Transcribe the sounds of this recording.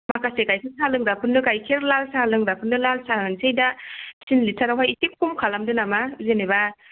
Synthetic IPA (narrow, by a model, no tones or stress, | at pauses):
makasekajsɯŋsʰalɯŋdapʰɯnːɯkajkʰeɾlalsalɯŋdapʰɯnːɯlalsaɯnsejdasinlisʰaɾawɦajisik̚pumkʰalamdɯnamazeneba